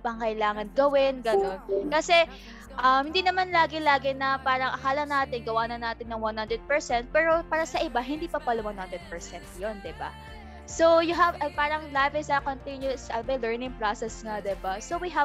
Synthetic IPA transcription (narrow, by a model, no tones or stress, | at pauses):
pɐŋkɐʔɪlaːŋɐnɡɐwɪnɡɐno̞nkɐsɛ | ʔɐmhɪnd̪iːnɐmanlaːɡɪlaːɡɪnɐpaːɾɐŋʔɐhaːlɐnaːt̪ɪnɡɐwaːnɐnaːt̪ɪnːɐŋwaɐnhand̪ɾɛd̪̚pɛɹsɛnt̪̚pɛːɾo̞paːɾɐsɐʔɪbaɦɪnd̪iːpɐpaːlɐwanhand̪ɾɛd̪̚pɛɹsɛnt̪̚jond̪ɪba̰ | sojʊɦɐvʔɐpaːɾɐŋlavɪsɐkont̪ɪnjusɐlbɐlɛɹnɪŋpɹasɛsŋad̪ɪbasowiɦɐ